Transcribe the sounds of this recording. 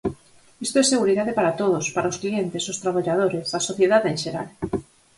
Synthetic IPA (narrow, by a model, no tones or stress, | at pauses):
ist̪oɛseɣuɾiðaðepaɾat̪oð̞ospaɾaosklient̪ɪsʊst̪ɾaβ̞aʎað̞oɾesasoθjeðaðeŋʃeɾa̰l